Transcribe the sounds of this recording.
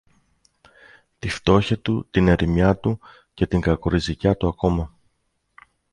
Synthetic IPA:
t̪ift̪o̞çɐt̪ut̪ine̞ɾimɲɐt̪u | ce̞t̪iŋɡɐkoɾizicɐt̪uɐko̞mɐ

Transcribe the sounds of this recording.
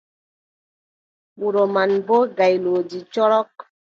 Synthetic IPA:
ɓuɾomanboɡajlod͡ʒit͡ʃɔɾɔk̚

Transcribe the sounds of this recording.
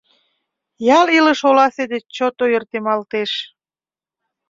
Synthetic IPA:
jɑliləʃolɑsed̪et͡ɕot̪ojərt̪emɑlt̪eʃ

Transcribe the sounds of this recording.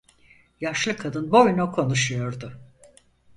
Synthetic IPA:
jaʃlˠɯkʰːad̪ɯnbojnukʰo̞nuʃujo̞ɾd̪ʊ

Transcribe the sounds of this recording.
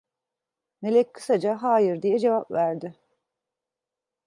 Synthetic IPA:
me̞lʲɛc̚ʲkʰɯ̥sad͡ʒaɦaːjiɾd̪ijɛd͡ʒe̞vapvæɾd̪ɪ

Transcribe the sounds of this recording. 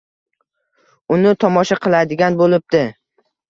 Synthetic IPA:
ʊnɪt̪ʰɒmɒʃaqʰɨlˠad̪ɪɡʲanbolɪp̚d̪ɪ

